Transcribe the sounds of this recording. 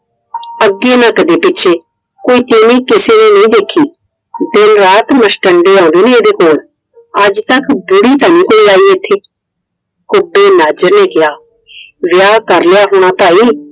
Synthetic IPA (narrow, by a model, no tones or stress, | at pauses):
əɡːeːnãːkəd̪eːpɪtːʃʰeː | koːiːt̪eːnĩːkɪseːneːnəĩːd̪eːkʰiː | d̪ɪnɾaːt̪məsʈəɳɖeːãːnd̪eːneeːd̪eːkoːl | əd͡ʒt̪əkbʊɽiːt̪aːnĩːkoːilaːiːeːt̪ʰeː | kʊbːeːnaːd͡ʒəɾneːkɪjaː | ʋɪjaːkəɾlɪjaːɦoːɽ̃aːpaːiː